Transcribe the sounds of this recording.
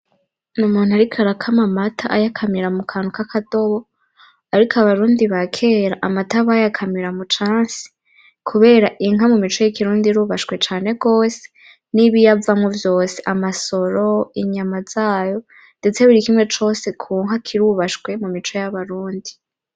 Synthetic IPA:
numuːn̥uaɾikʰaɾakʰamamatʰaʔajakʰamiɾamukʰaːnukakʰato̞βo̞ | aɾikʰoaβaɾuːndiβakʰe̞ːɾaʔamataβajakʰamiɾamut͡ʃaːnsi̥ | kʰuβe̞ːɾaʔiŋɦamumit͡ʃo̞jikiɾuːndiɾuːβaʃkwe̞t͡ʃaːne̞ɡo̞ːse̥ | niβijavamŋovjo̞ːse̞ʔamaso̞ɾo̞iɲamaz̥aːjo̞ | nde̞t͡se̞βiɾikimŋe̞t͡ʃo̞ːse̞kʰuːŋɦakʰiɾuβaʃwe̞mumit͡ʃo̞jaβaɾuːndi

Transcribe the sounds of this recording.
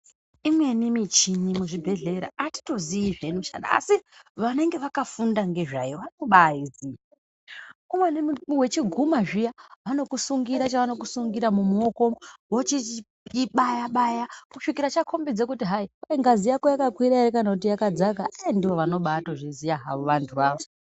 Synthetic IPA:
imwe̞nimit͡ʃinimuʐibʱe̞ɮe̞ɾa̰ʔati̥to̞ziiʐenuʃa̰na̰ːsiʋane̞ŋɡe̞ʋakafundaŋɡe̞ʐajoʋanoɓaizi | umwenwe̞t͡ʃiɡʱumaʐijaʋano̞kusuŋɡiɾat͡ʃaʋano̞kusuŋɡiɾamumuoko̞wot͡ʃi | ɓajaɓajakuʂikiɾat͡ʃakʰo̞mbid͡zekutiɦaiwaiŋɡazijakojakakwiɾaiɾekanakut̬ijakad͡zakaʔandiʋo̞ʋano̞ɓaːtoʐizijaɦa̰ʋoʋantʰuʋaːʋo

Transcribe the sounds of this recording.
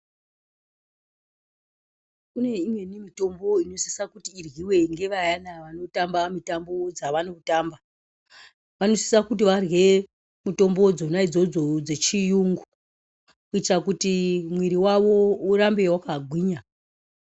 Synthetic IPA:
kune̞imwe̞nimito̞mbo̞ino̞si̥sakutiːrwiwe̞ŋɡe̞ʋajanaʋano̞tambamitambo̞d͡zaʋanokutamba | ʋano̞si̥sakut̬iʋarwe̞ | muto̞mbod͡zonaid͡zo̞d͡zod͡ze̞t͡ʃijuŋɡu | kuit͡ʃakutimwiɾiwaʋo̞uɾambe̞wakaɡʱwiːɲa

